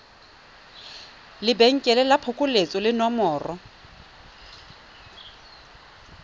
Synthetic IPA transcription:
lɪbeŋ̩kʼɛlɛlapʰʊkʼʊlet͡sʼɔlɪnɔmɔːrɔ

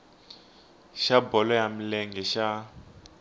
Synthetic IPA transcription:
ʃabɔlɔjam̩lɛŋɡɛʃa

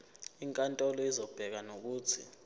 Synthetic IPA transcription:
iŋkʼantʼɔlɔizɔb̥ʱɛk̬anok̬uːt͡sʰḭ

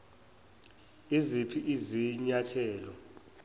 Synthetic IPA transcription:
izipʰiʔiziɲatʰɛːlɔ

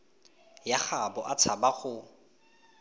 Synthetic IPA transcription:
jaχabɔʔat͡sʰabaɣʊ

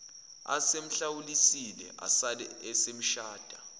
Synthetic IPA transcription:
a̰sem̩ɬawulisilɛ̰ʔa̰salɛɛsem̩ʃaːd̥ʱa

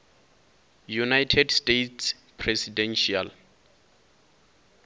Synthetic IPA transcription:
junajtʰɛdstetʰs | pʰrɛsidɛ̃nʃia̰l

